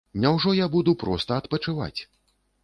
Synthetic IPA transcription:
nʲawʐɔjabud̪upɾɔ̰st̪ɐːt̪pɐt͡ʂɨva̰t͡sʲ

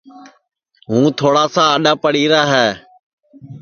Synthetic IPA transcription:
ɦũːt̪ʰoːɽaːsãːəɗaːpəɽiːɾaːɦɛː

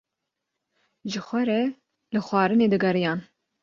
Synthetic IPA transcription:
ʒɨxʷɛɾɛ | lɨxʷɑːɾɨneːd̪ɨɡɐɾɨjɑːn

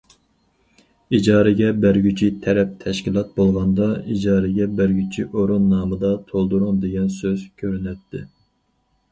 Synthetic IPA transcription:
id͡ʒɑːɾɪɡʲɛbæɾɡʲyt͡ʃʰit̪ʰɛɾɛp̚t̪ʰɛʃkʲilˠɑt̪̚bolˠʁɑnd̪ɑid͡ʒɑːɾɪɡʲɛbæɾɡʲyt͡ʃʰiʔoɾunːɑːmɨd̪ɑt̪ʰolˠd̪uɾuŋd̪eɡʲɛnsøzkʲʰøɾynɛt̪ʰːɪ

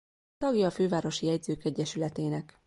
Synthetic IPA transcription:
t̪ɒɡjɒføːvaːɾo̞ʃijɛɟzøːkɛɟːɛʃylɛt̪eːnɛk

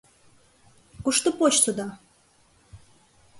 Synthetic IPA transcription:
kuʃt̪opot͡ɕsud̪ɑ

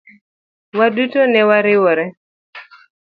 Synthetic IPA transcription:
wadutonɛwaɾɪwɔɾɛ

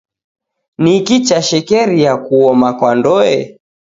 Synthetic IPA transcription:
nikit͡ʃaʃɛkɛɾijakuɔmakwandɔɛ

